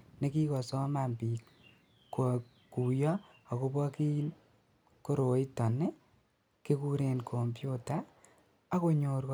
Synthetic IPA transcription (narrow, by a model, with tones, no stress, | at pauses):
ne˦ki˦kɔ˨sɔ˦ma˨mpi˨kː | o˨ | ku˨jɔ˦a˨ko˦bɔ˦ki˦n | ko˦ɾo˨i˦tɔ˨ne˦ | ke˦ku˦ɾe˨nkʰo˨mpju˦ta | a˦ko˦ɲo˨ɾk